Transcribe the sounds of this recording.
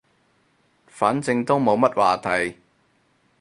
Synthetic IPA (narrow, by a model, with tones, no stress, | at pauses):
faː˨˥nt͡sɪ˧ŋt̪o˥wmo˨˧wmɐ˥t̚waː˨t̪ʰɐ˨˩j